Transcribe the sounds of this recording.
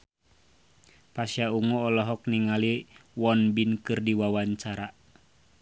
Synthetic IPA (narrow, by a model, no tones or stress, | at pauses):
pasjauŋɔːlɔɦɔk̚niŋaliwɔnbinkɨrdiwawaɲt͡ʃaɾa